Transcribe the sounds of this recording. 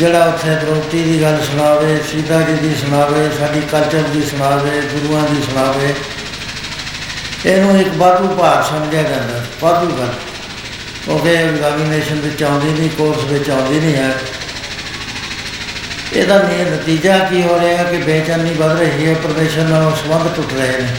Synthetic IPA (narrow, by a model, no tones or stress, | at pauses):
d͡ʒeːɽaːʊt̪ʰːeːb̪əɾoːt̪iːd̪iːɡəlsʊɽ̃aːʋeːsiːt̪aːd͡ʒiːd̪iːsʊɽ̃aːʋeːsaːɖiːkəlt͡ʃəɾd̪iːsʊɽ̃aːʋeːɡʊɾuːãːd̪iːsʊɽ̃aːʋeː | eːnũːɪkbaːd̪uːpaːɾsəmd͡ʒjaːd͡ʒãːnd̪aːbaːd̪uːɡəl | kjõːkeɡaːɡineːʃənbɪt͡ʃãːnd̪iːnĩːkoːɾsʋɪt͡ʃãːnd̪iːnĩːɦɛː | ḛːd̪aːniːnət̪iːd͡ʒaːkiːɦoːɾeːɛːkɪbeːt͡ʃəniːbəd̪ɾeːɦiəpəɾmeːʃənːaːõsəbə̃nd̪tʊʈʰɾəɦeːneː